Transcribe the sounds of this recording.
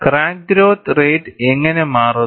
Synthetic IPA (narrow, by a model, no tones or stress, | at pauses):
kraːŋdɾoːt̪rejʈeŋːɐnemaːrɐ